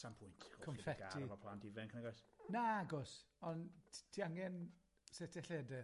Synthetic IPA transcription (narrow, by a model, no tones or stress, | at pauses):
sampʰʊjntʰɔkʰɔnfɛɡtaivɔpʰlˠantʰivɛnkʰənaɡajsnaaɡɔsɔntʰiaŋɛn | setʰɛɬeːdɛ